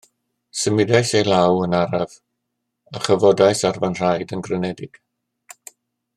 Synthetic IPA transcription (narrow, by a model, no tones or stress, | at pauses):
səmɪdajsejlawənaɾav | əχəvɔdajsarvanr̥ajdənɡrənɛdɪɡ̥